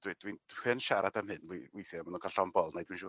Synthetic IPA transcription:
d̥wid̥winhɨnʃaɾadamhɨnewejθjamanuːnkʰalɬɔmbɔlˠnejdwinʃuː

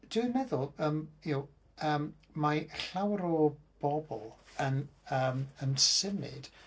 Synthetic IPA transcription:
d̥ɨrmɛðʊlˠəːmjow | əːm | maɬawɾɔb̥ɔbɔ̰lˠənəːmənsɪmɨ̰d̥

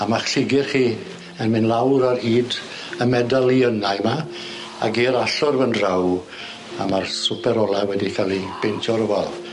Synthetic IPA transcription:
amaχɬɪɡɪrχiː | ənmɪnlˠawɾaɾiːd | əmɛdalˠiənajma | a̰ɡiɾaɬʊrvənraw | amarsʊpʰɛɾɔlˠawɛdikʰalˠib̥entʰɔɾəvalˠ

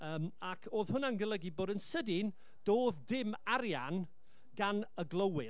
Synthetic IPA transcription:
əːmakʰoːð̥hʊnanɡəlˠəɡiboːdənsədɪn | d̥oːðdɪmaɾjan | ɡanəɡlˠəwɪ

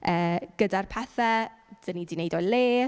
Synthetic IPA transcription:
əːɡ̥ədarpʰɛθɛd̥ənidinejdɔjleː

